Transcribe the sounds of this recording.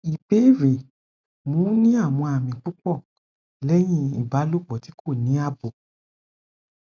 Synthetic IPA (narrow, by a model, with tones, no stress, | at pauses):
i˨pe˨˦ɾe˨ | mõ˨˦nĩ˦a˦˨w̃ɔ̃˧a˨mĩ˨k͡pu˦k͡pɔ˦˨ | lɛ˦j̃ĩ˦ḭ˦˨ba˨˦lo˦˨k͡pɔ˨ti˨˦kʰo˦˨nĩ˨˦a˦˨bo˨